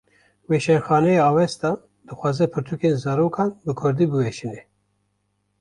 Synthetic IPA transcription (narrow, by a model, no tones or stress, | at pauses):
weːʃɛnxɑːnɛjeɑːwɛst̪ɑ | d̪̥ɨxʷɑːzɛpʰɨɾt̪ʰukeːnzɑːɾoːkʰɑːnbɨkʰʊɾd̪iːbɨwɛʃinɛ